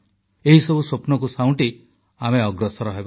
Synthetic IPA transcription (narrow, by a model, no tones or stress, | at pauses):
eɦisɔbusopnɔkusaw̃ɳʈi | ameɔɡɾɔsɔɾɔɦeba